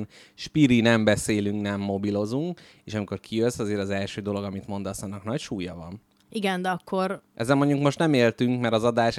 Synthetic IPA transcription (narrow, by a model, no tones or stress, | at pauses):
n | ʃpiɾinɛmbɛseːlyŋknɛmːo̞bilo̞zuŋk | eːʃɒmiko̞rkʰijøsːɒzeːɾɒzɛlʃøːd̪o̞lo̞ɡɒmit̪mo̞nd̪ɒsɒnːɒknɒcʃuːjɒvɒ̰n | iɡɛnd̪ɛɒkʰːo̞rʔɛzːɛlmo̞ɲɟuŋkmo̞ʃt̪nɛmeːlt̪yŋkmɛɾɒzɒd̪aːʃ